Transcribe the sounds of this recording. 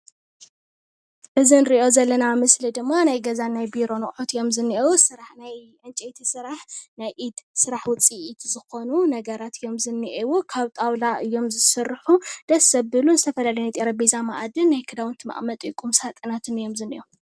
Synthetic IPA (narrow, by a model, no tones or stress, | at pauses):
ʔɨzinɾiʔo̞zɐlːɐnamɨslid̪ɨmːanajɡɐzanːajbiɾo̞nɨkʼħot̪ɨjo̞mzɨnːiʔewusɨɾaħnaj | ʕɨnt͡ʃʼet̪ʰisɨɾaħnajʔid̪sɨɾaħwʊt͡sʼiʔid̪zɨxo̞nunɐɡɐɾat̪ʰɨjo̞mzɨnːiʔewukʰaβt̪ʼawlaʔɨjːo̞mzɨsɨɾħud̪̥ɐsːɐbːɨlunzɨt̪ʰɐfɐlalɐjnajt̪ʼeɾɐbezamaʔad̪ɨnːajkʰɨd̪awɨnt̪ʰɨma̰ʔʼmɐt̪ʼɨjkʼumsat̪ʼɨnat̪ʰɨnɨjo̞mzɨniʔo